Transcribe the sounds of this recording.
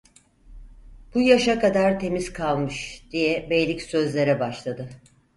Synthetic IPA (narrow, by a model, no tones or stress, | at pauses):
b̥ujaʃakad̪aɾt̪ʰe̞mizkʰalˠmɯʃd̪̥ijɛbejlʲicsø̞zlʲe̞ɾɛbaʃlˠad̪ɯ